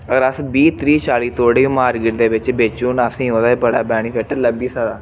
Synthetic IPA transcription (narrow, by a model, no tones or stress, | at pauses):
əɡəɾəsbiːt̪ɾiːt͡ʃaːliːt̪oːɽẽːmaːɾɡɪʈd̪eːʋɪt͡ʃbeːt͡ʃuːnəsĩːɦõːd̪aːbəɽaːbɛːɽ̃iːpɛːʈələbiːsaːd̪aː